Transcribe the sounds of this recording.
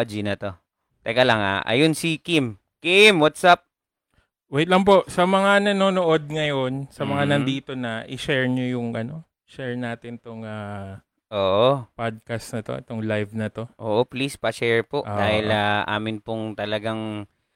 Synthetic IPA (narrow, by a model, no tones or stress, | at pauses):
d͡ʒinɐt̪o̞ | t̪ɛɡɐlɐŋa̰ʔɐ̰jonsikim | kimwat̪sap̚ | wɛt̪lɐŋpo̞ʔsɐmɐŋanɐnoːnoʔo̞d̪̚ŋɐjonsɐmɐŋanɐnd̪iːt̪o̞nɐʔɪʃɛɹɲojʊŋʔɐno̞ | ʃɛɹnaːt̪ɪnt̪oŋa | ʔoːʔopad̪̚kɐst̪nɐt̪o̞̰ʔɛ̰t̪oŋlajvnɐt̪o̞ʔo̰ːʔoplispɐʃɛɹpoʔd̪aːhɪlaʔa̰ːmɪnpʊŋt̪ɐlɐɡaŋ